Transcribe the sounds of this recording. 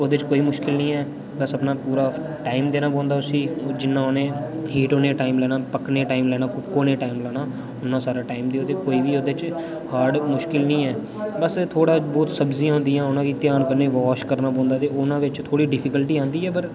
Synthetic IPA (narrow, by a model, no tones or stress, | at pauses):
oːd̪eːt͡ʃkoːiːmʊʃkɪlnĩːɛː | bəsəpnaːpuːɾaː | ʈaːɪmd̪eːnaːp̬ɔ̃ːnd̪aːʊsĩːd͡ʒɪnːãːoːnẽːɦiːʈoːneːʈaːɪmlɛːnaːpəkneːʈaːɪmlɛːnaːkʊkoːnẽːʈaːimlɛːnaː | ʊnːãːsaːɾaːʈaːɪmd̪eːoːt̪eːkoːiːʋiːoːd̪eːt͡ʃ | haːɖmʊʃkɪlnĩːɛː | bəst̪ʰoːɽaːbɔːt̪səbziːãːɦʊ̃ːnd̪ijãːʊnãːkiːt̪ɪjaːnkəɾneːʋɔːʃkəɾnaːpɔ̃ːnd̪aːt̪eːʊnãːʋɪt͡ʃt̪ʰoːɽiːɖɪpʰɪkəlʈiːãːnd̪iːɛːpəɾ